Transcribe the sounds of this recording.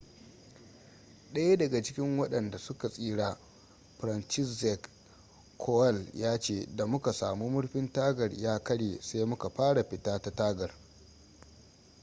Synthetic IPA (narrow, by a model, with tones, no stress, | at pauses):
ɗɐ˦ja˦dɐ˨ɡa˨t͡ʃɪ˦kʲɪ˦ŋwɐ˦ɗɐ˨nda˨sʊ˦ka˨sʼiː˦ɽaː˦ | ɸɾɐ˨nt͡ʃɪ˦sɛ˨k | kʰːoː˦ɛ˦˨ljaː˦t͡ʃeː˦˨da˨mʊ˦ka˨saː˨mu˦mʊ˦ɽɸɪ˦ntaː˦ɡɐ˨rjaː˦kɐ˦ɽeː˨sa˦jmʊ˦ka˨ɸaː˦ɽa˨ɸɪ˨taː˦ta˦taː˦ɡɐ˨r